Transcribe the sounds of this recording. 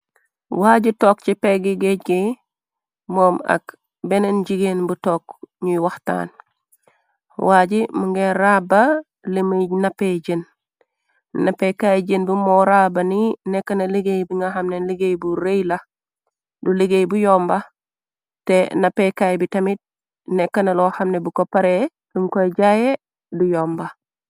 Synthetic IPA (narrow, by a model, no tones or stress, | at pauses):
waɟitoːk̚t͡ʃipeɡiɡeɡe | moːma̰k | benenɟiɡenbutoːkɲuwɐxta̰ːn | waːɟimuŋɡeɾaba | limunapeɟen | napːekajɟenbimoɾaːbaninekːɐnɐleɡejbiŋɡaɦamnenliɡejbuɾejla | duleɡejbujoːmba | tenapekajbitɐmit̚ | nekːɐnalohamnebukopaɾe | duŋkojɟaje | dujoːmba